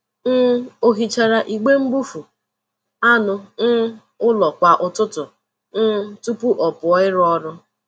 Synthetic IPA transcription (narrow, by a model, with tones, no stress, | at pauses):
n̩˦o˨ɦi˨t͡ʃa˨ɾa˨ʔi˨ɡ͡be˦m̩˦bu˦fu˨ | a˦nʊ˨n̩˦ | ʊ˦lɔ˨kʷa˨ʔʊ˨tʊ˦tʊ˨ | n̩˦tu˦pu˦ʔɔ˨pʊ˨ɔ˦ɪ˦ɾɔ˦ɾʊ˦